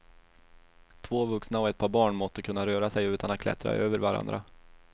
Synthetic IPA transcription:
t̪ʰvoːvɵksnaɔɛt̪̚pʰɑːɾbɑːɳmɔt̪ːəkʰɵnːaɾøːɾasɛjʉ̟ːt̪anat̪̚klɛ̰t̪ɾa̰ʔøːvəɾvaɾa̰nd̪ɾʔa̰

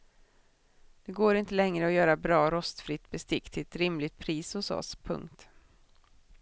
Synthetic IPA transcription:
d̪̥ɛɡoːɾɪnt̪əlɛŋɾəɔjœːɾabɾɑːɾɔst̪fɾɪt̪ːbɛst̪ɪkːt̪ʰɪlɛt̪ɾɪmlɪt̪̚pʰɾiːsʊsɔ̰spʰɵ̰ŋk̚t̪

